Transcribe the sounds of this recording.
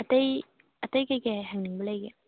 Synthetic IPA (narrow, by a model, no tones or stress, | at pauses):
ɐt̪ɐj | ɐt̪ɐjkɐkɛɦɐŋnɪŋbəlejkɛ